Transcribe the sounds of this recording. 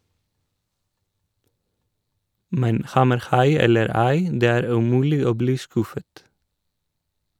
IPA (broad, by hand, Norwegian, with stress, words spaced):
ˈmɛn ˈhɑməɾˌhɑɪ ˈɛləɾ ˈæɪ ˈdeː ˈæːɾ ʉˈmʉːlɪ ˈoː ˈbliː ˈskʉfət